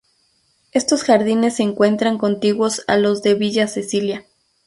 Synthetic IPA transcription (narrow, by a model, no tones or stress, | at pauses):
e̞st̪o̞sxaɾðine̞sːeːŋkwe̞nt̪ɾaŋko̞nt̪iɣwo̞sa̰lo̞zðe̞βiʝasesilja